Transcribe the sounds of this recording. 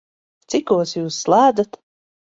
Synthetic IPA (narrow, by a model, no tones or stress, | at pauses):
t̪sikuɔsjuːsːlˠaːd̪at̪